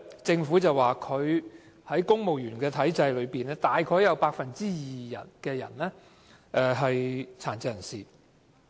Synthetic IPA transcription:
t͡sɪ˧ŋfuː˨˥t͡sɐ˨waː˨˩kʰɵ˨˧ɥ | hɐ˨˥jkʊ˥ŋmo˨wjyː˨˩nkɛː˧t̪ʰɐ˨˥jt͡sɐ˧jlɵ˨˧ɥpiː˨˩nɛː˥t̪aː˨jkʰɔː˨˥jɐ˨˧wpaː˧k̚fɐ˨nt͡siː˥jiː˨˩jɐ̰˨˩nkɛː˧jɐ̰˨˩nlɛː˥ | ʔɛː˨ɦɐ˨jt͡sʰaː˨˩nt͡sɐ˧jɐ˨˩nsiː˨˩

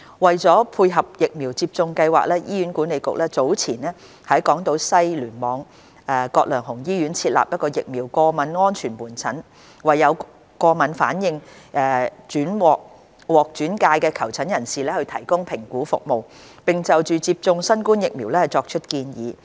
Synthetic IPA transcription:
wɐ˨jt͡sɔː˨˥pʰuː˧jɦɐ˨p̚jɪ˨k̚miː˨˩wt͡siː˧p̚t͡sʊ˧ŋkɐ˧jwa̰ː˨k̚lɛː˥jiː˥ɥyː˨˥nkuː˨˥ne˨˧jkʊ̰˨k̚lɛː˥t͡so˨˥wt͡sʰiː˨˩nɛː˥ | hɐ˨˥jkɔː˨˥ŋt̪o˧˥wsɐ˥jlyː˨˩nmɔː˨˧ŋ | ʔɛː˨˩kɔː˧k̚lœː˨˩ŋɦʊ˨˩ŋjiː˥jyː˨˥nt͡sʰiː˧t̚la̰˨p̚jɐ˥t̚kɔː˧jɪ˨k̚miː˨˩wkɔː˧mɐ˨˥nŋɔː˥nt͡ʃʰyː˨˩nmuː˨˩nt͡sʰɐ˨˥n | wɐ˨jːɐ˨˧w | kɔː˧mɐ˨nfa̰ː˨˥njɪ˧ŋʔɛː˨˧t͡ʃyː˨˥nwɔː˨k̚ | wɔː˨k̚t͡ʃyː˨˥nkaː˧jkɛː˧kʰɐ˨˩wt͡sʰɐ˨˥njɐ˨˩nsiː˨˩lɛː˥hɵ˧ɥt̪ʰɐ˨˩jkʊ˥ŋpʰɪ˨˩ŋkuː˨˥fʊ̰˨k̚mo˨˩w | pɪ˨ŋt͡sɐ˨wt͡ʃyː˨t͡siː˧p̚t͡sʊ˧ŋsɐ˥nkuː˥njɪ˨k̚miː˨˩wlɛː˥hɐ˨jt͡sɔː˧k̚t͡ʃʰɵ˥t̚kiː˧njiː˨˧

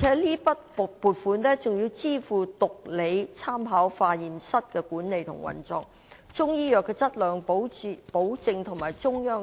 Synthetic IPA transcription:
i˨˩ɛː˨˥liː˥pɐ˥t̚puː˨t̚fuː˨˥nnɛː˥t͡sʊ˨ŋjiː˧wt͡siː˥fuː˨t̪ʊ˨k̚le˨˧jt͡sʰaː˥mɦaː˨˥wfaː˧jiː˨msɐ˥t̚kɛː˧kuː˨˥nne˨˧jt̪ʰʊ̰˨˩ŋwɐ̰˨nt͡sɔː˧ŋ | t͡sʊ˥ŋjiː˥jœː˨kːɛː˧t͡sɐ˥t̚lœː˨˧ŋppo˨˥wt͡sɪ˧ŋt̪ʰʊ˨˩ŋmaː˨˩jt͡sʊ˥ŋjœː˥ŋ

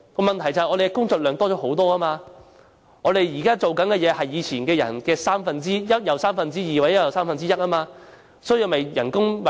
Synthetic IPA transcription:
kɔː˧mɐ˨nt̪ʰjt͡sa˨hjʔɔː˨˧ɾe˨jkɛ˧kʊ˥ŋt͡sɔː˨k̚lœː˨˧ŋt̪ɔː˥˩ɔː˨˥ho˨˥wt̪ɔː˥ɐ˥maː˧ | ŋɔː˨˧d̪e˨jjiː˨˩kaː˥t͡so˨wkɐ˨˥nkɛː˧jɛː˨˧hɐ˨jːiː˨˧t͡sʰiː˨˩nkɛː˧jɐ̰˨˩nkɛː˧saː˥mfɐ˨nt͡siː˥jɐ˥t̚jɐ˨˩wsaː˥mfɐ˨nt͡siː˥jiː˨waː˨ɛ˥jɐ˨˩wsaː˥mfɐ˨nt͡siː˥jɐ˥t̚ʔɐː˥maː˧ | sɔː˨˥jiː˧˨mɐ˨jjɐ˨˩nkʊ˥ŋmɐ˨

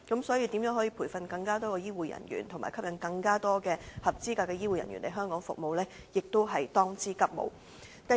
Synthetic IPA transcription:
kɐ˨˥msɔː˨˥jiː˧t̪i˨˥mjœː˨˥ŋɦɔː˨˥ji˧pʰuː˨˩jfɐ˨˧nkɐ˧ŋkaː˥t̪ɔː˥kɔ˧jiː˥wuː˨˩jɐ̰˨˩njy̰ː˨˩nt̪ʰʊ˨˩ŋmaː˨jkʰɐ˥p̚jɐ˨˧nkɐ˧ŋkaː˥t̪ɔː˥kɛː˧hɐ˨p̚t͡siː˥kaː˧kːɛː˧jiː˥wuː˨jɐ̰˨˩nɥy̰˨˩nle˨˧jɦœː˥ŋkɔː˨˥ŋfʊ˨k̚mo˨˧wlɛː˥ | jɪ˨k̚t̪o˥wɦɐ˨jt̪ɔː˥ŋt͡siː˥kɐ˥p̚mo̰˨˧w | t̪ɐ˨

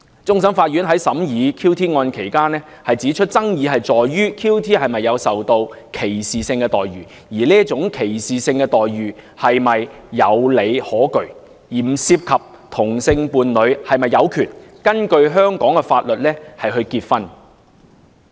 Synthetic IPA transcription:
t͡sʊ˥ŋs̬ɐ˨˥nfaː˧t̚ɥyː˨˥nɦɐ˨˥jsɐ˨˥mjiː˨˧kʰiː˥wt̪ʰiː˥ŋɔː˧nkʰe˨˩jkaː˥nɛː˥ | hɐ˨jt͡siː˨˥t͡ʃʰɵ˥t̚t͡sɐ˥ŋjiː˨˧ɦɐ˨jt͡sɔː˨jɥyː˥kʰiː˥wt̪ʰiː˥hɐ˨jmɐ˨jːɐ˨˧wsɐ˨wt̪o˧wkʰe˨˩jsiː˨sɪ˧ŋkɛː˧t̪ɔː˨jɥyː˨˩ | jiː˨˩liː˥t͡sʊ˨˥ŋkʰe˨˩jsiː˨˩sɪ˧ŋkɛː˧t̪ɔː˨jɥyː˨˩ | hɐ˨jmɐ˨jː | ɐ˨˧wle˨˧jhɔː˨˥kɵ˨ɥ | jiː˨˩m̩˨˩siː˧p̚kʰɐ˨p̚ | t̪ʰʊ˨˩ŋsɪ˧ŋpuː˨˧nlɵ˨˧ɥhɐ˨jmɐ˨jːɐ˨˧wkʰyː˨˩nkɐ˥nkɵ˧ɥɦœː˥ŋkɔː˨˥ŋkɛ˧faː˧t̚lɵ˨t̚lɛː˥hɐ˨jɦɵ˧ɥkiː˧t̚fɐ˥n

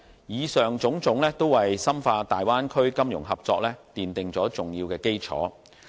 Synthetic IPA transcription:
jiː˨˧sœː˨ŋt͡sʊ˨˥ŋt͡sʊ˨˥ŋlɛː˥t̪o˥wwɐ˨jsɐ˥mfaː˧t̪aː˨jwaː˥nkʰɵ˥ɥkɐ˥mjʊ̰˨˩ŋɦɐ˨p̚t͡sɔ̰ː˧k̚lɛː˥t̪iː˨nt̪ɪ˨ŋt͡sɔː˨˥t͡sʊ˨ŋjiː˧wkɛː˧ke˥jt͡sʰɔ̰ː˨˥

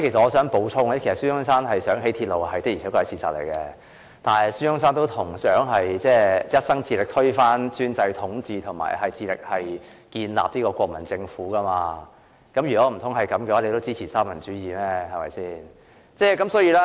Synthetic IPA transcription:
kʰe˨˩sɐ˨t̚ŋɔː˨˧sœː˨˥ŋpo˨˥wt͡sʰʊ˥ŋ˨˥kʰe˨˩sɐ˨tsyː˥hʊ˥ŋsaː˥nɦɐ˨jsœː˨˥ŋɦe˨˥jt̪ʰiː˧t̚lo˨wɦɐ˨jt̪ɪ˥ji˨˩ɛ˨˥kːɔ˧ɐ˨˥t͡sʰiː˨˩t͡sa̰ː˨t̚lḛ˨˩jkɛ˧ | t̪aː˨nɐ˨syː˥ʊ˥ŋsaː˥nt̪̬o˥wt̪ʰʊ˨˩ŋsœː˨˥ŋɦɐ˨jt͡sɛː˥˩jɐ˥t̚sɐ˥ŋt͡siː˧lɪ˨k̚t̪ʰɵ˥ɥfaː˥nt͡syː˥nt͡sɐ˧jt̪ʰʊ˨˥ŋt͡siː˧t̪ʰʊ˨˩ŋma̰ː˨˩jɦɐ˨jt͡siː˧lɪ̰˨k̚hɐ˨j | kiː˧nla̰ː˨p̚t̪iː˥kɔː˧kʷɔː˧k̚mɐ˨˩nt͡sɪ˧ŋfuː˨˥kɐ˥maː˧ | kɐ˨˥mjyː˨˩kɔː˨˧˥m̩˨˩t̪ʰʊ˨˥ŋɦɐ˨jkɐ˨˥mkɛ˧waː˥le˨˧t̪o˥wt͡siː˥t͡sʰi˨˩saː˥mɐ˨˩nt͡ʃyː˨˥jiː˨mɛː˥hɐ˨jmɐ̰˨˩jsiː˥n | t͡sɛː˥˩kɐ˨˥msɔː˨˥jiː˧˥laː˥

